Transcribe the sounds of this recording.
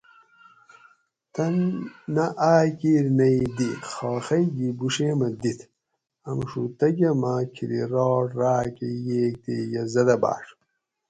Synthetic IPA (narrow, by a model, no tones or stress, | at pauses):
t̪ʰɐnːɐʔaːkiːɾnɐjd̪ixoːxɐjɡibuʂeːmɐd̪it̪ʰ | ɐmʂut̪ɐɡɐmakʰiɾḭɾoːʈɾaːkejeːk̚t̪ejɐzɐd̪ɐba̰ːʂ